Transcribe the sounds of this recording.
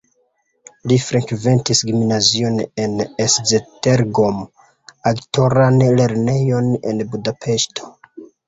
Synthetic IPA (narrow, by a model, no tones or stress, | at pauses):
lifɾekve̞ntisɡimnazio̞neneszeteɾɡom | akto̞ɾanle̞ɾne̞jo̞ne̞̰nbudapʰe̞ʃtʰo̞̥